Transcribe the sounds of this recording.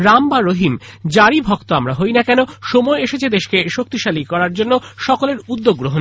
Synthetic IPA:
ɾambaɾoɦimd͡ʑaɾibʱɔkt̪oamɾaɦojnakɛnoʃomɔeeʃet͡ɕʰed̪eʃkeʃok̚t̪iʃalikɔɾaɾd͡ʑonːoʃɔkoleɾud̪ːoɡːɾoɦon

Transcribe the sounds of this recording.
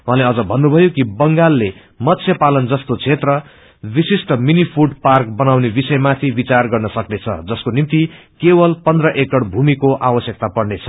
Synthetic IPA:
w̃ãleʌd͡zʌbʱʌnːubʱʌjokibʌŋɡalːe | mʌt̪sʰjʌpalʌnd͡zʌst̪ot͡sʰet̪rʌ | bisisʈʌminipʰuʈpark̚bʌnawnebisʌjemat̪ʰibit͡sarɡʌrnʌsʌknet͡sʰʌ̰d͡zʌskonimt̪i | kebʌlpʌnd̪rʌʔekʌɽbʱumikoʔawʌsjʌk̚t̪apʌɽnet͡sʰʌ

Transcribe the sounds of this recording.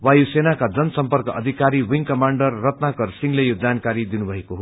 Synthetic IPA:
wajusenakad͡zʌnʌsʌmpʌrkʌʔʌd̪ʱikaɾiwiŋkʌmaɳɖʌrːʌt̪nakʌrsiŋlejod͡zankaɾid̪inubʱʌekoɦo

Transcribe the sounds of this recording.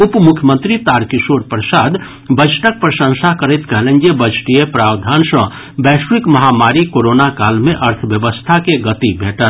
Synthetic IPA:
upmukʰjəmənt̪ɾit̪aɾkisoɾpɾəsad̪ | bət͡ʃʰʈək̚pɾəsə̃ŋsakəɾəjt̪kəɦlənd͡ʒebət͡ʃʰʈijepɾabd̪ʱansə̰̃ | bɛsʋikməɦamaɾikoɾonakalmeʔəɾt̪ʰəbjəbəst̪ʰakeɡət̪ibʱeʈət̪

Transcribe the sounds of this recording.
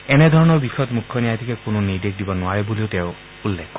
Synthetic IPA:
ened̪ʱɔɹɔnɔɹbikʰɔt̪mukʰːɔnijat̪ʰikekononidek̚d̪ibɔnwaebuliot̪eʊ | ulːekʰː

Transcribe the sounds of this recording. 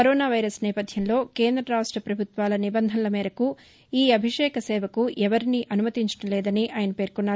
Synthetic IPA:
kɐɾoːnaːʋɐjɾɐsnɛːpɐd̪ʱjɐmlo̞ːkeːnd̪ɾɐɾaːʂʈɾɐpɾɐbʱut̪ʋaːlɐnibɐnd̪ʱɐnlɐmeːɾɐku | iːɐbʱiʂɛːkɐsɛːʋɐkuʔɛʋɐɾiniʔɐnumɐt̪iɲt͡ʃɐ̥ʈɐmlɛːd̪ɐniʔaːjɐnɐpe̞ːɾkunːaːɾu

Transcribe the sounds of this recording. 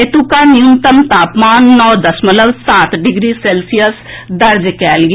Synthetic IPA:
et̪ukaːnijunt̪əmt̪aːpmaːnːɔːd̪əsmət̪ləbsaːt̪ɖɪɡɾiːseːlsijəs | d̪əɾd͡ʒkɛːlɡ

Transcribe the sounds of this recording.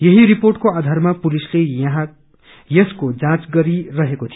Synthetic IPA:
jʌɦiɾiporʈkoad̪ʱarmapulisleʌɦã | jʌskod͡zãt͡sɡʌɾirʌɦekot̪ʰi

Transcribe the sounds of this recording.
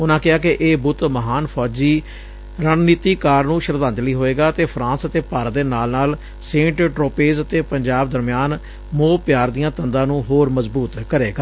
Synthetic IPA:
ʊnãːkɪaːkɪʔeːbʊt̪məɦaːnpʰɔːd͡ʒiː | ɾaːnniːt̪iːkaːɾnũːʃəɾd̪ãːnt̪ləiːɦoːeːɡaːt̪eːpʰɾãːnsət̪eːpaːɾd̪eːnaːlnaːl | sẽːʈʈɾoːpeːzət̪eːpəɲd͡ʒaːbd̪əɾmɪjaːn | moːpɪjaːɾd̪ijãːt̪ənd̪ãːnũːɦoːɾməzbuːt̪kəɾeːɡaː

